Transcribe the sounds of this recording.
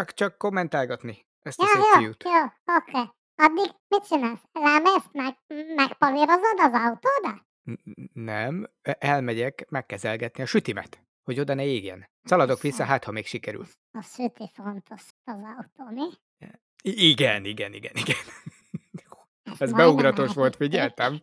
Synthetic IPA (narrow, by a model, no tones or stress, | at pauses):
t͡ʃɒkt͡ʃɒkːo̞mːɛnt̪aːlɡɒt̪ni | ʔɛstjajoːjut̪joːokeː | ɒd̪ːiɡmit̪̚t͡ʃinaːlslaːmeːst̪mɛɡmɛkpɒviɾozod̪ɒzɒut̪oːd̪ɒ | nɛm | ʔɛlmɛɟɛkmɛkːɛzɛlɡɛt̪niɒʃyt̪imɛ̰t̪ | ho̞ɟo̞d̪ɒnɛeːɡjɛ̰n | sɒlɒd̪o̞kʋisːɒɦaːt̪hɒmeːkʃikɛɾy̰l | ɒsyt̪ifont̪ʰoʃ | ɒzɒut̪oːmi | iiɡɛniɡɛniɡɛ̰niɡɛn | jo | ɛzbɛuɡɾɒt̪oʃʋo̞lt̪fiɟɛlt̪ɛm